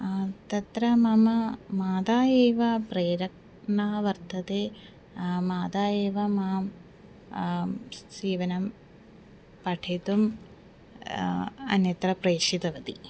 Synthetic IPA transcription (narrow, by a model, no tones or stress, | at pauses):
t̪ɐt̪ɾɐmɐmɐmaːd̪aːjeːʋɐpɾeːɾɐk̚ | ɳaːʋɐɾt̪ʰɐt̪eː | maːd̪aːjeːʋɐmaːm | siːʋɐnɐm | pɐʈʰet̪um | ɐ̰njɐt̪ɾɐpɾeːʂid̪ɐʋɐt̪i